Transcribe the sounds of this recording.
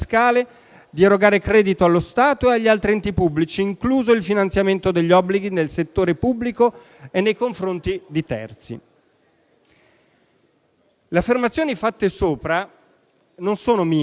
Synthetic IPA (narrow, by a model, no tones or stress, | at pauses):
skaːle | d̪ieɾoɡaːɾekɾɛːd̪it̪oalːost̪aːt̪oeaʎːialt̪ɾiɛnt̪ipubːlit͡ʃiːŋkluːzoilfinant̪sjament̪od̪eʎːɔbːliɡinelset̪ːoːɾepubːliko | enːejkoɱfɾont̪id̪it̪ɛ̰rt̪sḭ | leafːermat̪sjoːnifat̪ːesoːpɾa | nonsoːnomiː